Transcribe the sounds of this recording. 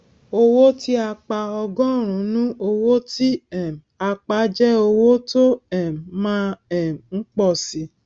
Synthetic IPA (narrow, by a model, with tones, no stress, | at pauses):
o˧wo˦ti˦a˧k͡pa˧ɔ˧ɡɔ̃˦˨ɾ̃ũ˨˦nũ˦o˧wo˦ti˦ɛ˦˨m˨a˧k͡pa˨˦d͡ʒɛ˦o˧wo˦to˦ɛ˦˨m˨mãː˦ɛ˦˨ŋ̩˦k͡pɔ˦˨si˨˦